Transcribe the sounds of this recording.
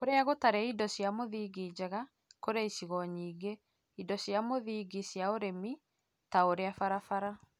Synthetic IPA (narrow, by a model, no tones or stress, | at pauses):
koɾeaɣotaɾɛidɔsjamoðiːɡid͡ʑɛɣa | koɾeisiɣɔɲiːɡe | idɔsjamoðiɡisjaoɾemi | taoɾeafaɾafaɾa